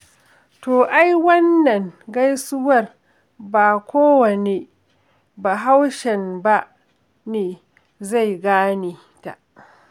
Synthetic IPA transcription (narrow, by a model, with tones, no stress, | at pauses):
toː˨ʔa˦jwɐ˦nːɐ˨ŋɡa˦jsʊ˦wɐ˦˨r | baː˨kʷoː˦wɐ˨neː˨ | ba˨ɦa˦wʃɛ˨nba˦ʔ | neː˨ | za˦˨jɡaː˦neː˨ | ta̰˨ʔ